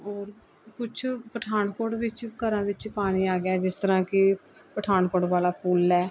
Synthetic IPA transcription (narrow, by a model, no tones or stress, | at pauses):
ɔːɾ | kʊt͡ʃʰpəʈʰaːnkoːɽʋɪt͡ʃkəɾãːʋɪt͡ʃpaːɽ̃iːaːɡjaːd͡ʒɪst̪əɾãːkɪpəʈʰaːɳkoːʈʋaːlaːpuːlɛː